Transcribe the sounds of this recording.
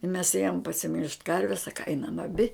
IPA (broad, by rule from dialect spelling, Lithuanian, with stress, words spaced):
mʲɛs ˈeːjoːm pɐsʲɪˈmʲɪlˠʃt ˈkɐrʲʋʲɛs ˈsɑːkɐ ˈɐɪnɐm ɐˈbʲɪ